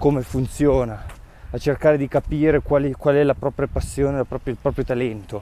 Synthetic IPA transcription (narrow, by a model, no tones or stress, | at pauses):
komefunt̪sjoːnaː | t͡ʃerkaːɾed̪ikapiːɾekwaːlikwaːlɛlapɾɔːpɾjapasːjoːnelapɾɔːpɾjoilpɾɔpɾjot̪alɛnt̪o